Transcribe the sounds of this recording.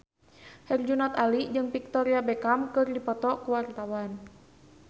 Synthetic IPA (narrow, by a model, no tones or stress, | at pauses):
hɛrd͡ʒunat̪alid͡ʒɨŋpik̚t̪ɔɾiabɛkamkɨrdipɔt̪ɔkuwart̪awan